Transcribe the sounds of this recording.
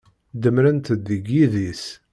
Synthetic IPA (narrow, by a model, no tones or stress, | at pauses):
d̪əmɾənt̪əd̪ːiɡːiðis